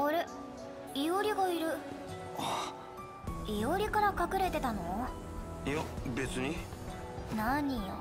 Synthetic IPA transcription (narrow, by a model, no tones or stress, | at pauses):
oɾe | ijo̞ɾʲiɡaiɾɯ̟ | o | ijoɾʲikaɾakakɯ̟ɾe̞t̪e̞t̪ano̞ | jobe̞t͡sɨɲ̟i | naɲ̟io̰